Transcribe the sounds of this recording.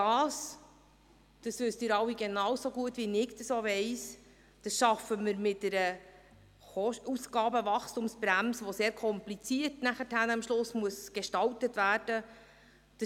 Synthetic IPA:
dɑːs | d̥ɑsʋʏstɪːɾɑwiɡenɑwsoɡuətːʋinɪkd̥əsoʋɛɪs | d̥ɑsʃɑfəməɾmɪt̚dɛɾə | ɔusɡ̥ɑːbəvɑχstumsbɾæmsʋoseːɾkʰɔmplit͡siətnæχəthænɑmʃlʊsmuəsɡ̥eʃtɑltətvæːrd̥ə | d̥ə

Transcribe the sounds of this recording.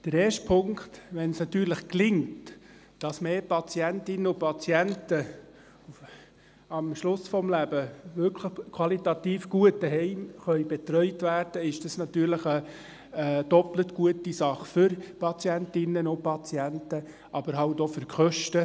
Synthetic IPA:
d̥əɾeːɾʃtpʰʊŋktʋɛnsnɑt̪ːyːɾləχklɪŋt | d̥ɑsmeːpɑt͡siæntɪnəʊpʰɑt͡sjæntə | ɑmʃlʊsfɔmlæb̥əvʏɾkʰləχkʰwɑlitɑt̪iːfɡ̥uət̚dəɦɛɪmχœʏbɛt̪ɾœʏtværd̥əɪʃd̥ɑsnɑt̪yːɾləχə | d̥ɔplətɡuətisɑχfʏɾpɑt͡sjæntɪnənʊpɑt͡sjæntə | ʔɑb̥əɾɦɑltɔfʏɾkʰχœʃtə

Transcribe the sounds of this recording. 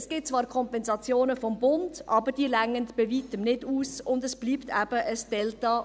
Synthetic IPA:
sɡ̥ɪt̚t͡svɑːɾkʰɔmpɛnzɑt͡sjoːnəfɔmbʊndʔɑːbəɾd̥iːlæŋəntb̥evitəmnɪduːsʊndəsb̥liːptʰæb̥əʔəsd̥ɛltɑ

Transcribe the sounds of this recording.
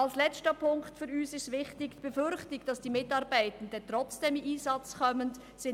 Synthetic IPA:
alslɛt͡stəpʰʊŋktfyːɾyːsɪstvɪxtɪçb̥əfʏɾçtɪkd̥ɑsd̥iːmɪtɑːʁbaɪtn̩dətʁ̥ɔt͡sd̥eːmʔiːsɑt͡skʰœmənt | sɪ

